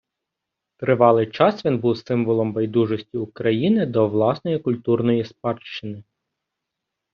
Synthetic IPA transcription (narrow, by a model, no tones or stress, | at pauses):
t̪ɾɪʋɑlˠɪjt͡ʃɑsʋʲinbuwsɪmʋɔlˠɔmbɐjd̪uʒɔsʲtʲiʊkɾɐjinɪd̪ɔʋlˠɑsnɔjikʊlʲt̪urnɔjispɑrʃt͡ʃːɪnɪ